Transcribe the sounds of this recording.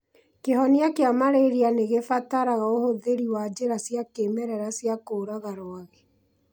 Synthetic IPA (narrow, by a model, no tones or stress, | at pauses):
keɦɔneakeamaɾeɾianeɣefataɾaɣaohoðeɾiwaːd͡ʑeɾasjakemɛɾɛɾasjakoːɾaɣaɾoaɣe